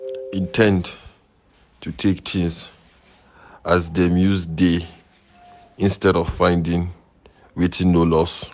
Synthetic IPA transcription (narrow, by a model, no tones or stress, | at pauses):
itʰɛ̃nd | tʰutʰekt͡ʃʰĩns | azdɛmjuzde | ĩnstɛɾɔv̥fãɪ̃ndĩŋ | wetʰĩŋnolɔs